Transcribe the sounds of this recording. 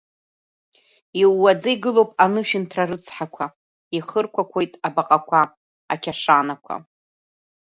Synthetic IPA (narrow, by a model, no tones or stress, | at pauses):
iwːad͡zaiɡɨlowpʼanɨʃᶣɪntʰrarɨt͡sʰħakʷʰa | iχərkʷʰakʷʰojtʼabaqʼakʷʰaː | kʲʰaʂaːnakʷʰa̰